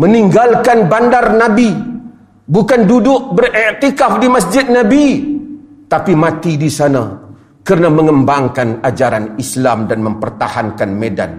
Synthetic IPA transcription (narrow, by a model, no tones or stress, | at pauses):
məniŋɡalkanbandarnabi | bukandudʊʔ̚bərɛrt̪ikafdimas̬d͡ʒɪt̪̚nabi | t̪apimat̪idisana | kərnaməŋəmbaŋkanad͡ʒaɾanislamdanməmpərt̪ahankanmeda̰n